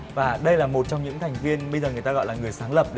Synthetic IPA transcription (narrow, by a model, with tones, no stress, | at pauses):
vaː˨˩ɗə˧jlaː˨˩mo˨˩t̚t͡ɕɔ˧wŋ͡mɲɨ̰˧˥ŋt̪ʰɛ˨˩jŋ̟vi˧ənɓə˧jzəː˨˩ŋɨ˨˩əjt̪aː˧ɣɔ̰˧˨jlaː˨˩ŋɨ˨˩əjsaː˨˦ŋlə˨˩p̚ɗ